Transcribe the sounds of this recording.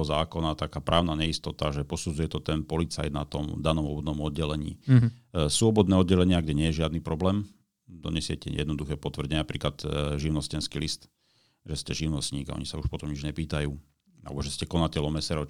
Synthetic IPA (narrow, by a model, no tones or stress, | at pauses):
ɔzaːkɔnat̪akaːpɾʔaːʊnaɲɛist̪ɔt̪aʒɛpɔsud͡zujɛt̪ɔt̪ɛnpɔlit͡sa̰jd̪nat̪ɔmd̪anɔmɔbɔd̪nɔmɔd̪̚ɟɛlɛɲḭː | sʊɔbɔd̪nɛːɔd̪ɟɛlɛɲɪaɡɟɛɲɪɛjɛʒɪad̪niːpɾɔblɛːm | d̪ɔ̰ɲɛsɪɛcɛ̰jɛ̰d̪nɔd̪uxɛːpɔt̪ʋr̩ɟɛɲɛnapɾiːklad̪ʒiʊnɔscɛnskiːlist̪ | ʒɛscɛʒiʊnɔsɲiːɡa̰ɔ̰ɲisauʃpɔt̪ɔmɲid͡ʒɲɛpiːt̪ajuː | a̰lɛ̰bɔʒɛscɛkɔnacɛlɔmɛsɛɾɔ